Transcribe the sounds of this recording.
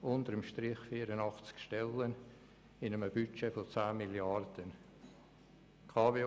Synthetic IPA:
ʊnt̪əɾəmʃtɾɪχfiːəɾənɑχt͡skʃtɛlːən | ɪnəməbyt͡ʃɛfot͡saːmɪljɑrd̪̥ən | kʰɑːve

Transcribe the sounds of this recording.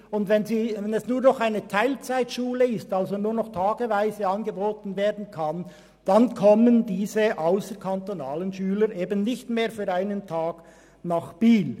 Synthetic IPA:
ʊndvɛnziːvɛnɛsnuːɐʁnɔχaɪnətʰaɪlt͡saɪtʃuːləɪstalzonuːnɔχtʰaːɡəvaɪzəɑnɡəboːtn̩veːɐdn̩kʰan | d̥ankʰɔməndiːzəʔaʊsəɾkʰantonaːlənʃyːləɾʔeːbən̩ːɪçtmeːɾfyːɾaɪnəntʰaːɡ̥ | naχb̥iːl

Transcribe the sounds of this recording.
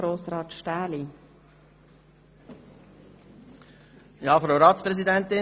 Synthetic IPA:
ɾoːsɾɑːt̪ʃtaːli | jɑːfɾoʊɾɑːt̪spɾɛzid̪ɛnt̪ɪ

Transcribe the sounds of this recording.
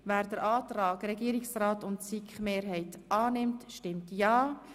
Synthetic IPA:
væːɾd̥əɾɑːt̪ɾɑːɡɾɛɡiəɾɪksraːtʊntsikχmeːɾɦɛɪtɑːnɪmtʃtɪmtjɑː

